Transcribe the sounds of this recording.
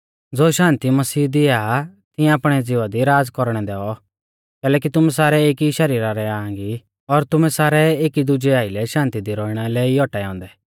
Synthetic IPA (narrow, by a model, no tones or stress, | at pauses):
d͡zoːʃãːnt̪imɐsiːd̪ɪat̪ɪãaːpɽ̃ɛd͡zɪʋad̪iɾaːd͡zkɔɾɽ̃ɛd̪ɛːɔ | kɛːlɛːk̬it̪ʊmɛ̃saːɾɛeːkiʃɐɾiːɾaɾɛaːãŋɡi | ɔɾt̪ʊmɛ̃saːɾɛeːkid̪ʊd͡ʒɛaːilɛʃãːnt̪id̪iɾɔːiɽ̃alɛiɔʈɛãːnd̪ɛ